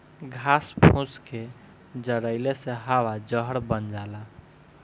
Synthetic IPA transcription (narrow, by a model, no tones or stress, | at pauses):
ɡʱaspʰũt͡ʃke | d͡ʒəɽəɪleseɦawad͡ʒəɦəɾbənd͡ʒala